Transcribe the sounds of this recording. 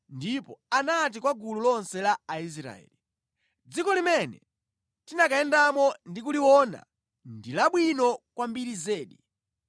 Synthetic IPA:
ndipɔanat̬ikwaɡululɔnsɛlaːis̬ɾa̰ɛ̰ːli | d͡zikɔlimɛnɛ̰ | tinakaɛndamɔndik̬uliwɔna̰ | ndilaɓwinɔkwambiɾizɛːɗi

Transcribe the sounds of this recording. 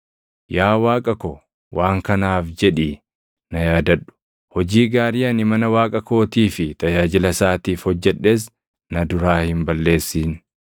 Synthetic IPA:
jaːwaːkʼɐkɔ | wʔaːŋkɐnaːfd͡ʒɛᶑiː | nɐjaːd̪ɐᶑʊ̥ | hɔd͡ʒiːɡaːɾɪjɐnɪmɐnɐwaːkʼɐko̞ːt̪iːfɪt̪ɐjaːd͡ʒɪlɐsaːt̪iːfhɔd͡ʒːɛᶑːeːs̬ | nɐd̪ʊɾaːhɪmbɐlːe̞ːsːiːn

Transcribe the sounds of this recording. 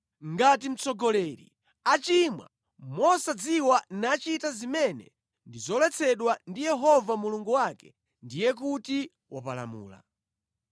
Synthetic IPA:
ŋɡatim̩t͡sɔɡɔlɛɾḭ | at͡ʃimwa̰ | mɔsad͡ziwanat͡ʃitazimɛnɛ̰ | ndizɔlɛt͡sʰɛɗwandijɛɦɔvamuluŋɡuwakɛ | ndijɛk̬uti | wapala̰mṵːla̰

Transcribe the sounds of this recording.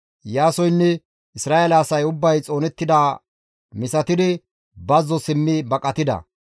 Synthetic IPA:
jaːsɔjnːɛ | ɪsɾaːelɐːsɐjʊbːɐjt͡sʼo̞ːnɛt̪ːɪd̪aː | mɪsɐt̪ɪd̪ɪ | bɐzːɔsɪmːɪbɐkʼɐt̪ɪd̪ɐ̰

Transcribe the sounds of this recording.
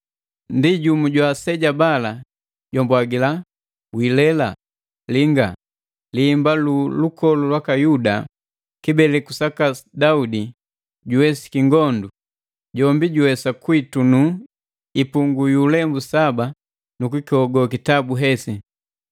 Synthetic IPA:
ndiɟumuɟwasɛɟabala | ɟɔmbwaɡila | wilɛla | liŋɡa | liːmbalulukɔlulwakajuda̰ | kibɛlɛkusakadaudi | ɟuwɛsi̥kiŋɡɔndu | ɟɔmbiɟuwɛsakwitunu | ipuŋɡujulɛmbusaba | nukikiɔɡɔkitabuɦɛsi

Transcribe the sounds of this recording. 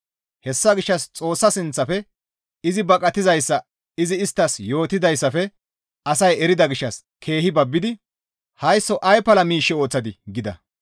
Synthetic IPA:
hɛsːɐɡɪʃːɐst͡sʼo̞ːsːɐsɪnt͡sːɐfɛ | ɪzɪbɐkʼɐt̪ɪzɐjsːɐ | ɪzɪɪst̪ːɐsjo̞ːt̪ɪd̪ɐjsːɐfɛ | ɐsɐjɛɾɪd̪ɐɡɪʃːɐs | kʰe̞ːhɪbɐbːɪd̪ɪ | hɐjsːɔʔɐjpɐlɐmiːʃːɛo̞ːt͡sːɐd̪ɪɡɪd̪ɐ̰

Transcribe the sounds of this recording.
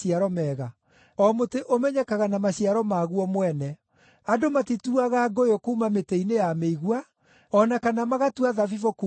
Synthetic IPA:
iaɾɔmɛːɣa | ɔmoteʔomɛɲɛkaɣanamaɕiaɾɔmaɣuɔmwɛnɛ | adomatituaɣaɡojokuumameteinejameiɣwa | ɔnakanamaɣatuaðavivoku

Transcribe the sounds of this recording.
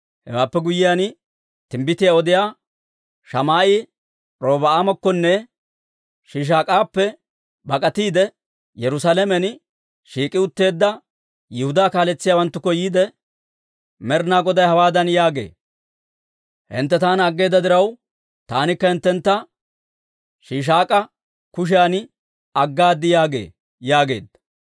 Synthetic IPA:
hɛ̰waːpːɛɡʊjɪjan | t̪ɪmbɪt̪ɪjaɔd̪ɪjaː | ʃɐmaːʔɪ | ɾo̞ːbɐaːmɐkːɔnːɛ | ʃiːʃ̬aːkʼaːpːɛ | bɐkʼɐt̪iːd̪ɛ | jɛɾʊsalɛmɛn | ʃiːkʼɪʊt̪ːe̞ːd̪ːɐ | jɛhʊd̪aːkaːlɛt͡sːɪjaːwɐnt̪ːʊkːɔjiːd̪ɛ | mɛɾnaːɡɔd̪ɐjhɐwaːd̪ɐnjaːɡe̞̰ː | hɪ̰nt̪ːɛt̪aːnɐɡːe̞ːd̪ːɐd̪ɪɾɐw | t̪aːnɪkːɐhɪnt̪ːɛnt̪ːɐ | ʃiːʃ̬aːkʼɐ | kʊʃ̬ɪjan | ɐɡːaːd̪ːɪjaːɡḛː | jaːɡe̞̰ːd̪ːɐ

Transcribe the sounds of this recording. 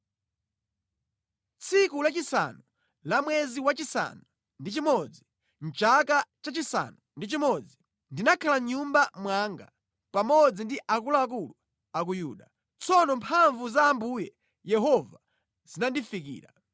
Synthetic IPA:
t͡sʰikulat͡ʃisa̰nu | lamwɛziwat͡ʃisa̰nu | ndit͡ʃimɔd͡zi | n̩t͡ʃakat͡ʃat͡ʃisa̰nundit͡ʃimɔd͡zi | ndinakʰalaɲumbamwaŋɡa̰ | pamɔd͡zindiʔakulaak̬ulu | ak̬ujuːɗa | t͡sʰɔnɔmpʰaɱvuzaːmbuːjɛ | jɛɦɔva | z̥inandifik̬ḭːɾa

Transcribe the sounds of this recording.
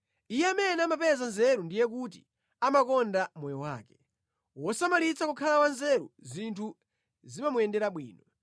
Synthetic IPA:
ijɛamɛnɛamapɛzanzɛɾundijɛk̬ut̬ḭ | amakɔndamɔjɔwa̰ːkɛ̥ | wɔsamalit͡sʰakukʰalakwanzɛɾṵzintʰu | zimamuɛndɛɾaɓwḭːnɔ

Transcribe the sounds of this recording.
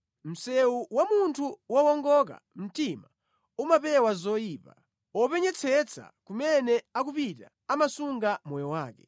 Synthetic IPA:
m̩sɛuwamuntʰuwɔwɔŋɡɔka̰m̩tima | umapɛwazɔjiːpa | ɔpɛɲɛt͡sʰɛt͡sʰa̰kumɛnɛakupita | amasuŋɡamɔjɔwaːkɛ

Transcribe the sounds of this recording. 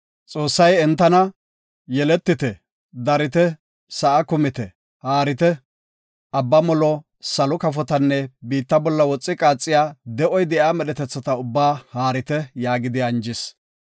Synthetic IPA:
t͡sʼo̞ːsːɐjɛnt̪ːɐnɐ | jɛlɛt̪ːɪt̪ɛ | d̪ɐɾɪt̪ɛ | sɐʔɐkʊmɪt̪ɛ | haːɾɪt̪ɛ | ɐbːɐmɔlɔ | sɐlɔkɐfɔt̪ɐnːɛbiːt̪ːɐbɔlːɐwɔt͡sʼːɪkʼaːt͡sʼːɪjaːd̪ɛʔɔjd̪ɛʔaːmɛɗɛt̪ɛt͡sːɐt̪ɐʊbːaːhaːɾɪt̪ɛjaːɡɪd̪ɪɐnd͡ʒɪs

